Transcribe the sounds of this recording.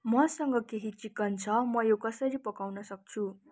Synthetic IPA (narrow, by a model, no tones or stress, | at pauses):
mʌsʌŋɡʌkeɦit͡sikːʌnt͡sʰʌmʌjokʌsʌɾipʌkawnʌsʌk̚t͡sʰu